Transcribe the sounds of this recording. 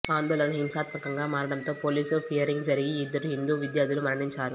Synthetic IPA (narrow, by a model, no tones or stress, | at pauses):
aːnd̪oːlɐnɐɦimsaːt̪mɐkɐŋɡaːmaːɾɐɽɐnt̪o̞ːpoːliːspʰijɐɾiŋɡd͡ʒɐɾiɡiːd̪ːɐɾuɦind̪uːʋid̪jaːd̪ilumɐɾɐɳiɲt͡ʃaːɾu